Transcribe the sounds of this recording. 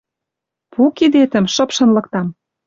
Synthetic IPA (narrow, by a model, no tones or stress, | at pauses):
pʰukid̪et̪ə̆mʃɤ̆pʃɤ̆nlɤ̆k̚t̪ɑm